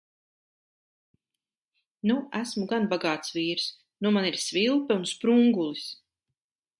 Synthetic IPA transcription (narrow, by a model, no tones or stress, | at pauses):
nuæsmuɡanbaɡaːt̪sviːɾs | numaniɾsvilˠpɛunspɾuŋɡulˠis